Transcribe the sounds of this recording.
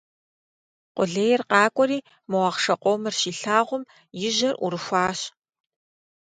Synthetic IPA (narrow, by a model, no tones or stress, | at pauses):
qʷʊɮeːjɛrqɑːkʷʼɔɾiː | mɐʁɑqʂɐqʷɔmɨrʃiːɬaːʁʷʊm | jɪʑɐrʔṵɾɨxʷɑːɕ